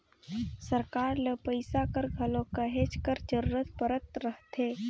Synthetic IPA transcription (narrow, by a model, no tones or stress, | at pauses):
səɾkaːɾləpəɪsakəɾɡʱɐlõkəɦet͡ʃkəɾd͡ʒəɾuɾət̪̚pəɾət̪ɾəɦt̪ʰeː